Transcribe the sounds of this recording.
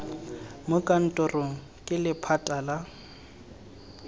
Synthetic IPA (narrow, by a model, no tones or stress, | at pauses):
mʊkʼan̩tʼʊrʊ | kʼɪlɪpʰatʼala